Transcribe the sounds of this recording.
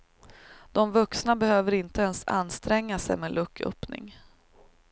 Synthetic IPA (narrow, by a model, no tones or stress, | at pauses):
d̪̥ɔmvɵksnabɛhøːvəɾɪnt̪əɛnsa̰nːst̪ɾɛŋːasɛ̰jmeːlʔɵkːʰœ̰pnɪ̰ŋ